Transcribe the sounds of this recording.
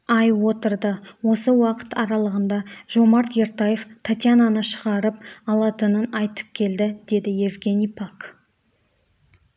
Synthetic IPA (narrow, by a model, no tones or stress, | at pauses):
ɑjwo̞t̪əɾd̪əwo̞səwɑqə̥t̪ɑɾɑlˠəʁənd̪ɑʒo̞mɑɾt̪je̞ɾt̪aje̞ft̪ʰat̪jananəʃəʁɑɾəp̚ɑlˠɑt̪ənənɑjt̪ə̥p̚kʲʰe̞ld̪ɪd̪̥e̞d̪ɪje̞vɡʲe̞nʲijpʰak